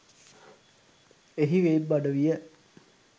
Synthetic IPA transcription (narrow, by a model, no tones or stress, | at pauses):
eɦiʋeːbːaɖəʋijə